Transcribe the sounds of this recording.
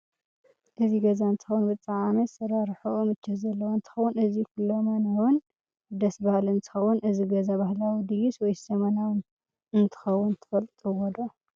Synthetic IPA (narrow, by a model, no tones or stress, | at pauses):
ʔɨziɡɐzaɨnt̪ʰɨ̥xɐwːunbɨt͡s̪ʼaʕamɐsɐɾaɾħumɨt͡ʃːɐzɐlːɐwaɨnt̪ʰɨ̥xɐwːʊnɨzikulːomanawʊn | d̪ɐsbahlɨnt̪ʰɨ̥xɐwːʊnɨziɡɐzabahlawid̪ɨjuswɔjsɐmɐnawʊn | ɨnt̪ʰɨ̥xɐwːʊnt̪ʰɨ̥fɐlt̪ʼɨwɔd̪o